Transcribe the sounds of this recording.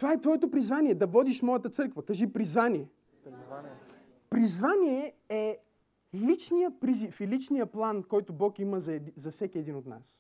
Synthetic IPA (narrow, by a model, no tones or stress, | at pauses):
t̪ovaɛt̪vɔjɛt̪opɾizvanʲiɛd̪ɐvɔd̪iʃmɔjɐt̪ət̪sɤɾkvɐkaʒipɾizvaniɛ | pɾizvaniɛɛ | lit͡ʃnijəpɾizifilit͡ʃnijəplˠankɔjt̪ʊbɔkiməzzɐfsɛkʲiɛd̪inot̪na̰s